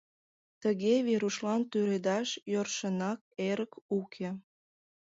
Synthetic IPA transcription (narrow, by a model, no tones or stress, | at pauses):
t̪əɣeβeɾuʃlɑnt̪yɾed̪ɑʃjorʃənɑk̚eɾəkukʰe